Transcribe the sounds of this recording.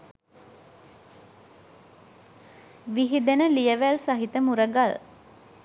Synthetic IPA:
ʋiɦid̪enəlijəʋælsaɦit̪əmuɾəɡal

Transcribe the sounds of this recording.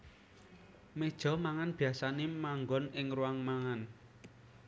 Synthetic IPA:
med̥ʒ̥ɔ̤maŋanb̥i̤asanemaŋɡɔnɪŋruaŋmaŋan

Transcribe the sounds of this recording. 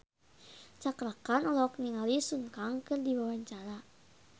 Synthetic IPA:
t͡ʃakɾakanɔlɔkniŋalisuŋkaŋkɨrdiwawaɲt͡ʃaɾa

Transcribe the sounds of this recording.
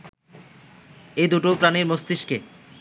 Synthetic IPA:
ejd̪uʈopɾaniɾmost̪iʃke

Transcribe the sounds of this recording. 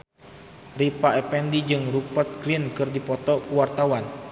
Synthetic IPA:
ripaɛpɛndid͡ʒɨŋrupət̪̚ɡɾinkɨrdipɔt̪ɔkuwart̪awan

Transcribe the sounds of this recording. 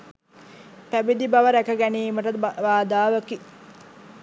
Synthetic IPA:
pæbid̪ibaʋəɾækəɡæniːməʈəd̪ʋaːd̪aːʋəki

